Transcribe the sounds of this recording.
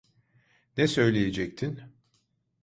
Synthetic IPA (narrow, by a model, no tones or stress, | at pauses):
nɛsø̞jlʲejed͡ʒɛc̚t̪ʰin